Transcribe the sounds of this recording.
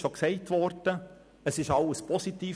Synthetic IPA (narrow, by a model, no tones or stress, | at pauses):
ʃoksɛɪtʋɔɾd̥ə | əsɪʃɑləspʰɔsit̪iː